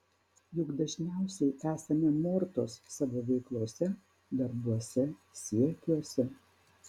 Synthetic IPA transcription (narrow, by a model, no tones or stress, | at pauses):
jʊɡd̪ɐʒʲnʲæˑʊsʲɛɪʔæːsɐmʲɛmɔɾt̪oːsːɑʋoːʋʲɛɪklˠuɔsʲɛ | d̪ɐɾbuɔsʲɛsʲiɛkʲuɔsʲɛ